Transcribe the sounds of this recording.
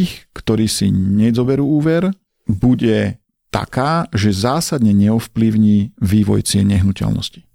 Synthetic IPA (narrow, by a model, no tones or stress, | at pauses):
xkt̪ɔɾiːsḭɲɛzɔbɛɾuːuːʋɛɾ | buɟɛ | t̪a̰kaːʒɛzaːsad̪ɲɛɲɛɔfpliʊɲiːʋiːʋɔ̰jt͡sɪɛɲɛɦnucɛ̰lnɔ̰sci̥